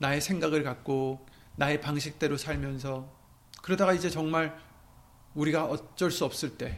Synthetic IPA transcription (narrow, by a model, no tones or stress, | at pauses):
nae̞sʰeŋɡaɡɯɭkak̚k͈o | nae̞paŋɕʰik̚t͈e̞ɾosʰaɭmjʌnsʰʌ | kɯɾʌdaɣaid͡ʑe̞t͡ɕʌŋmaɾ | uɾiɡaʌt͡ɕ͈ʌɭs͈uʌp̚s͈ɯɭt͈e̞